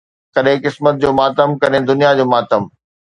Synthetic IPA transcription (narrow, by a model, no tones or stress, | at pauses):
kɐɗɦɪ̃kɪsmət̪̚d͡ʑoːmaːt̪əmkɐɗɦẽd̪ʊnijad͡ʑoːmaːt̪əm